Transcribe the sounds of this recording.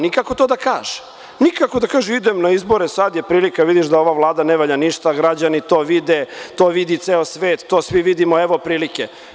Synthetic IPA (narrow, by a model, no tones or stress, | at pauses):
nikakot̪od̪akaːʒɛ̥ | nikakod̪akaːʒemid̪emnaizbo̞ɾesad̪jepɾiːlikaʋid̪iʃd̪ao̞ʋaʋlˠaːd̪aneʋaʎaniʃt̪aɡɾad͡ʑanit̪oːʋid̪et̪oːʋid̪it̪seːosʋeːt̪ːoːsʋiʋid̪imoeʋo̞pɾiːlike